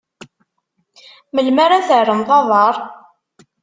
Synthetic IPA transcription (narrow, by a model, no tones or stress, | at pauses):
məlmaɾaθərːənθɑðˤɑɾˤ